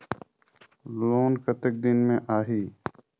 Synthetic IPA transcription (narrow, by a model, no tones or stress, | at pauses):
loːnkət̪ək̚d̪ɪnmẽːʔaːɦiː